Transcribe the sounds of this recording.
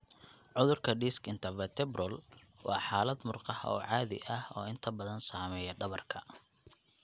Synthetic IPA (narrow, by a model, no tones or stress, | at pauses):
ʕʊðʊrkʰɐɖiːskɪnt̪ʰɐvɐt̪ʰɛbrɔlwʔɑ̰ːħɑːlɐd̪mʊrqɑhɔ̰ːʕɑːðɪ̰ʔɐhɔːɪnt̪ʰɐbɐðɐnsaːmɛːjɐɖɐβɐrkʰɐ